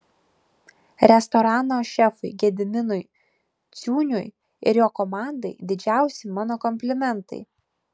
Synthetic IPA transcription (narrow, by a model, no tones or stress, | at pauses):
ɾʲɛst̪ɔɾɑːnoːʃʲɛfʊɪɡʲɛd̪ʲɪmʲɪnʊɪ | t̪sʲuːnʲʊj | ɪ̰ɾjoːkɔmɑˑnd̪ɐɪd̪ʲɪd͡ʒʲæˑʊsʲɪɪmɑːnoːkɔmʲpʲlʲɪmʲɛnt̪ɐ̰ɪ